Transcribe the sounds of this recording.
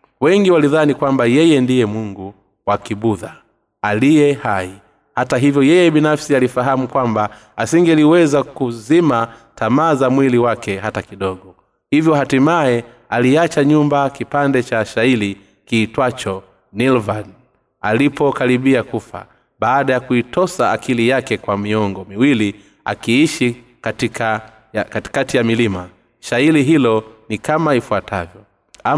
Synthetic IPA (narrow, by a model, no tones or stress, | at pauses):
wɛŋɡiwaliðanikwambajɛjɛndijɛmuŋɡu | wakiɓuða | alijɛhai | hataɦivjɔjɛjɛɓinafsialifaɦamukwamba | asiŋɡɛliwɛzakuzimatamaːzamwiliwakɛɦatakiɗɔɡɔ | hivjɔɦatimaɛ | aliat͡ʃaɲumbakipandɛt͡ʃaʃaili | kiːtwat͡ʃɔ | nilvan | alipʰɔkaɾiɓiakufa̰ | ɓaːɗajakuitɔsaːkʰilijakɛkwamiɔŋɡɔmiwili | a̰kiiʃi | katikʰa | jakati̥katijamilima | ʃailiɦilɔnikamaifuatavjɔ | a